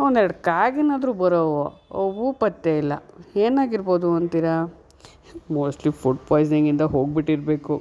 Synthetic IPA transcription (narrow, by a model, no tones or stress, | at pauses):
ond̪ɾɐɖkaːɡinaːd̪ɾuːbɐɾoʋooʋupɐt̪ːeilːɐ̰eːnaːɡiɾbo̞ːd̪uɐnt̪iːɾa | moːsʈlipʰuʈpaːjs̬iŋɡind̪ɐɦoːɡ̚biʈːiɾbe̞ːku